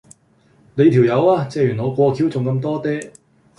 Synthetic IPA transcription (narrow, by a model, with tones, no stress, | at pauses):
ne˨˧jt̪ʰi˨˩wjɐ˨˧waː˧t͡sɛː˧jyː˨˩nɔː˨˧kʷɔː˧kʰiː˨˥wt͡sʊ˨ŋkɐ˧mt̪ɔː˥t̪ɛː˥